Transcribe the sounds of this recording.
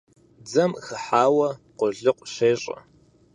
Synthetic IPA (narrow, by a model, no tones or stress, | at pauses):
d͡zɐmxɨħaːwɐqʷʊɮɨqʷʼɕeːɕʼɐ̰